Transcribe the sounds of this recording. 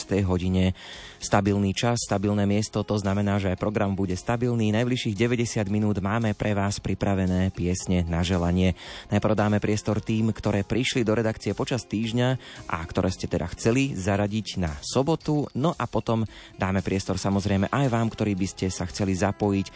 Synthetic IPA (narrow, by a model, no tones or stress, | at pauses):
st̪ɛjɦɔɟiɲɛ | st̪abilniːt͡ʃasːt̪abilnɛːmɪɛst̪ɔt̪ɔznamɛnaːʒɛajpɾɔɡɾambuɟɛst̪abilniːnajbliʃiːɣɟɛʋɛɟɛsɪad̪minuːd̪maːmɛpɾʔɛʋaːspɾipɾaʋɛnɛːpɪɛsɲɛnaʒɛlaɲɪɛnajprɾ̩ʊd̪aːmɛpɾɪɛst̪ɔɾt̪iːmkt̪ɔɾɛːpɾiʃlid̪ɔɾɛd̪akt͡siɛpɔt͡ʃast̪iːʒɲaʔa̰kt̪ɔɾɛːscɛt̪ɛd̪a̰xt͡sɛlizaɾaɟiɟnasɔbɔt̪unɔʔapɔt̪ɔmd̪aːmɛpɾɪɛst̪ɔɾsamɔzɾɛjmɛʔajʋaːmkt̪ɔɾiːbiscɛsaxt͡sɛlizapɔjic